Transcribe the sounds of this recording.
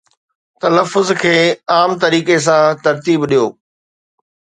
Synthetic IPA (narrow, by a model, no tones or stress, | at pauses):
t̪ɐləfːʊzkʰeːaːmt̪ɐɾiːkes̬ãt̪ɐɾt̪iːbɗijoː